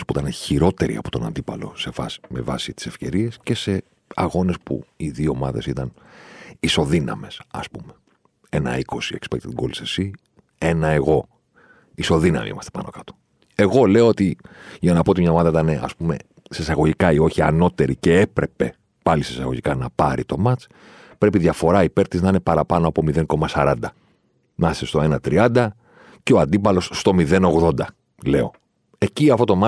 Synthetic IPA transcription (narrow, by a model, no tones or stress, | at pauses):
spuit̪ɐneçiɾo̞t̪e̞ɾḭɐ̰po̞t̪o̞nɐ̰nd̪ipɐlo̞̰se̞vɐ̰si̥me̞vɐ̰sit̪i̥se̞fce̞ɾie̞sce̞se̞ | ɐɣo̞ne̞spṵiðioːmɐðe̞sit̪ɐn | iso̞ðinɐ̰me̞sɐ̰spume | e̞nɐ̰iko̞siḛkspḛkt̪it̪ɡolsesi | e̞nɐe̞ɣo̞ | iso̞ðinɐ̰mḭḭmɐst̪e̥pɐno̞kɐt̪o̥ | e̞ɣo̞le̞oo̞t̪iʝɐnɐpo̞ot̪imɲɐomɐðɐit̪ɐne̞ʔɐ̰spume̞̰ | sesɐɣo̞ʝikɐio̞çiɐ̰no̞t̪e̞ɾice̞epɾe̞pe̞ | pɐlisisɐ̰ɣo̞ʝikɐnɐpɐɾḭt̪o̞mɐt͡s | pɾe̞piðʝɐfo̞ɾɐipe̞ɾt̪iznɐine̞pɐɾɐpɐnoɐpo̞miðe̞ŋko̞mɐsɐɾɐnd̪ɐ | nɐsest̪o̞e̞nɐt̪ɾiɐnd̪ɐ | ceoɐnd̪ipɐlo̞sːt̪o̞miðe̞no̞ɣðo̞nd̪ɐ | le̞o̞ | e̞ciɐft̪o̞t̪o̞mɐ